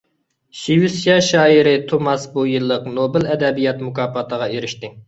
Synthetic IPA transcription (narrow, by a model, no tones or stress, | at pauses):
ʃiwisjɑʃɑːiɾɪt̪ʰomɑsbujɨlˠːəqnobɪlɛd̪ɛbijɑt̪mukɑːpʰɑt̪ʰəʁɑeɾɪʃt̪ɪ